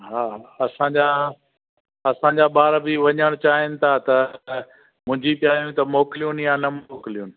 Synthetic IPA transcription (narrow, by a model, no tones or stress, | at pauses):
ɦaːɐsãːd͡ʑa | ɐsãɲd͡ʑaɓaːɾbɪʋɐɲəɽ̃t͡ɕaːɦɪnɪ̆t̪ʰat̪ɐ | mʊ̃ɦɪ̃ɲd͡ʑipijaːjũt̪ɐmoːkɪlijunjanɐmoːkɪlijunɪ̆